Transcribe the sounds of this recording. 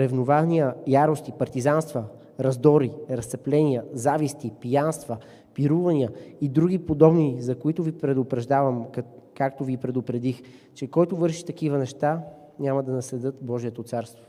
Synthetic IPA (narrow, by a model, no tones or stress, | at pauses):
ɾɛvnovaznijəjaɾost̪ipɐɾt̪izanst̪və | ɾɐzd̪ɔɾiɾɐst̪sɛplɛniəzavist̪ipijanst̪və | piɾuvɐniəid̪ɾuɡʲipod̪ɔbnizɐkoit̪ʊvipɾɛd̪ʊpɾɛʒd̪avɐmkakt̪ovipɾɛd̪ʊpɾɛd̪ixt͡ʃɛkɔjt̪ʊvɤɾʃi̥t̪ɐkivənɛʃt̪a | nʲamɐd̪ɐnɐsɛd̪ɤt̪bɔʒiɛt̪ot̪saɾst̪vo